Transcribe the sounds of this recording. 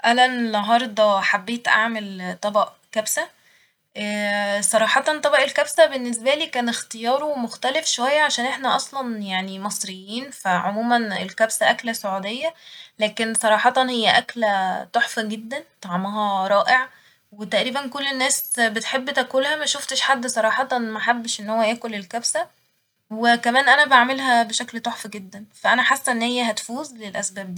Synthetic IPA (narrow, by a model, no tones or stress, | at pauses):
ʔælænenːɑɦɑɾˤd̪ˤɑħabːeːt̪ʔa̰ʕmelt̪ˤːɑbɑʔ | kæbsæ | ʔæːsˤɑɾˤɑːħɑt̪ˤɑnt̪ˤɑbɑʔelkæbsæbenːesbæliːkæːnext̪ejɑːɾˤowmoxt̪ælefʃowæjːæʕaʃæːnʔeħnæʔɑsˤlɑnjaʕnimɑsˤɾejːiːnfæʕomuːmænḛlkæbsæʔæklæsoʕuːd̪ejːælæːkensˤɑɾˤɑːħɑt̪ˤɑnhejːæʔæklæt̪ˤoħfæɡed̪ːænt̪ˤɑʕmɑɦɑɾˤɑːʔeʕ | wet̪æʔɾiːbænkolːenːæːsbet̪ħebːt̪ækolhæmæʃoft̪eʃħad̪ːsˤɑɾˤɑːħɑt̪ˤɑnmæħabːeʃʔenːhowːæjæːkolelkæbsæ | wekæmæːnʔænæbaʕmelɦæbeʃæklt̪ˤoħfɡed̪ːænfæʔænæħasːæʔenːhejːæɦæt̪fuːzlelʔæsbæːb̚d̪iː